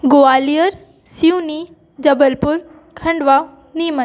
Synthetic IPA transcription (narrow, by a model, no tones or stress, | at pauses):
ɡoaːlijəɾ | siuni | d͡ʑɐbəlpʊɾ | kʰɐ̃ɳɖʋa | niːmə